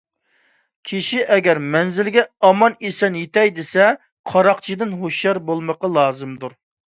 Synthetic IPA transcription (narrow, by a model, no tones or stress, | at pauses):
kʲʰiʃiʔɛɡʲɛɾmɛnzɪlɡʲɛɑmɑnesɛnjet̪ɛjd̪esɛ | qʰɑɾɑqt͡ʃʰid̪ɪnɦoʃjɑɾbolˠməqɑlˠɑːzɨmd̪uɾ